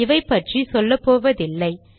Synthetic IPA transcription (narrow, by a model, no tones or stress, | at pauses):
ɪʋɐɪpːɐʈrisɔlːɐpːoːʋɐðɪlːɐɪ